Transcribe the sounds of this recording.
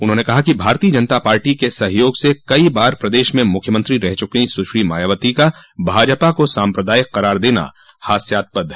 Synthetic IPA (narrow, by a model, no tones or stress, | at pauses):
ʊnɦõːnekɐɦakibʱaːɾt̪iːəd͡ʒɐnt̪apaːɾʈikesɐɦjoːɡsekɐibaːɾpɾɐd̪eːʃmẽmʊkʰjəmə̃nt̪ɾiɾɛɦt͡ʃʊkeĩsʊʃɾima̰ːjaʋət̪ikabʱaːd͡ʒəpakosaːmpɾəd̪aːjɪkːɐɾaːɾd̪eːna̰ | haːsjaːt̪̚pɐd̪ʱː